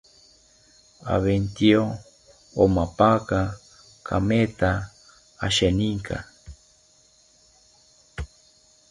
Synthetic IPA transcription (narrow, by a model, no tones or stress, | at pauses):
a̰βent̪io | omapaka | kʰa̰met̪aː | ʃeniŋkʰa̰